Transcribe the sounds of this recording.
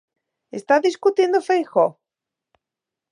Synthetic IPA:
est̪aðiskut̪je̞nd̪ofejxo

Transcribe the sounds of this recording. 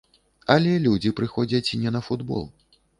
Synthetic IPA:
ɐlʲɛlʲud͡zʲipɾɨxɔd͡zʲɐt͡sʲinʲɛnɐfud̪bɔ̰lˠ

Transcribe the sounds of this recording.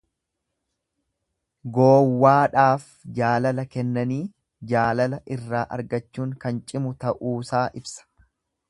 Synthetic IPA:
ɡoːwːaːᶑaːf | d͡ʒaːlɐlɐkɛnːɐniː | d͡ʒaːlɐlɐʔɪrːaːʔɐ̰ɾɡɐt͡ʃːuːŋkɐnt͡ʃʼɪmʊt̪ɐʔuːsaːʔɪbsɐ̥

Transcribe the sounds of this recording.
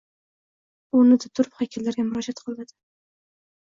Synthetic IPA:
ʊnɪd̪at̪ʰʊɾphakʲʰɪlːaɾɡʲamʊɾɑd͡ʒat̪qʰɨlˠnad̪ɪ̥

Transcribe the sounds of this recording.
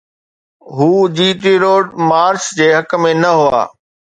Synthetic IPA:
ɦuːd͡ʑiːt̪iɾoːɖmaːɾt͡ɕd͡ʑeːɦɐkmẽnɐɦua̰ː

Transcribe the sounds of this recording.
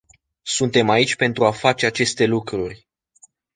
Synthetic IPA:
sunt̪e̞mait͡ʃʲpe̞nt̪ɾuafat͡ʃe̞at͡ʃe̞st̪e̞lukɾurʲ

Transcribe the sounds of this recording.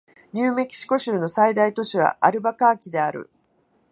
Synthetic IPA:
ɲ̟ɨːme̞kʲi̥ɕi̥ko̞ɕɨːno̞said̪ait̪o̞ɕiβ̞a̰ʔaɾɯ̟bakaːkʲid̪e̞aɾɯ̰

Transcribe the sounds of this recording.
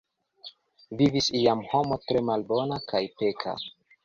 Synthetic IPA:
vivisiamho̞mo̞tɾe̞malbo̞nakʰajpe̞kʰa̰

